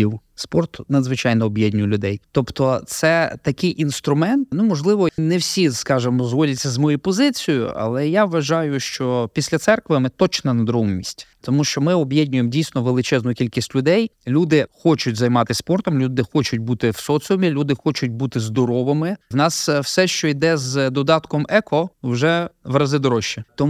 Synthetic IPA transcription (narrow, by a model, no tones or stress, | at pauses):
iwspɔrt̪nɐd̪zʋɪt͡ʃɑjnɔɔbjedʲnʲʊjlʲʊd̪ɛjt̪ɔpt̪ɔt̪sɛt̪ɐkɪjʔinst̪ɾʊmɛnt̪numɔʒlˠɪʋɔnɛwsʲiskɑʒɪmɔzɦɔlʲɛtʲt͡sʲːɐzmɔjijpɔzɪt͡sʲijʊ̰ʔɐ̰lˠɛjaʋʋɐʒɑjʊʃt͡ʃɔpʲisʲlʲɐt̪sɛrkʋɪmɪt̪ɔt͡ʃnɐnɐd̪ɾɔummʲisʲtʲt̪ɔmuʃt͡ʃɔmɪɔbjedʲnʲʊjemdʲijsʲnɔʋelˠɪt͡ʃɛznʊjʊkʲilʲkʲisʲtʲlʲʊd̪ɛjlʲud̪ɪxɔt͡ʃʊtʲzɐjmɑt̪ɪsʲpɔrt̪ɔmlʲud̪ɪxɔt͡ʃʊt̚ʲbut̪ɪwsɔsʲiɔmʲilʲud̪ɪxɔt͡ʃʊt̚ʲbut̪ɪzd̪ɔɾɔʋɪmɪwnɑswsɛʃt͡ʃɔid̪ɛzd̪ɔd̪ɑt̪kɔmɛkɔwʒɛʋɾɐzɪd̪ɔɾɔʃːit̪ɔ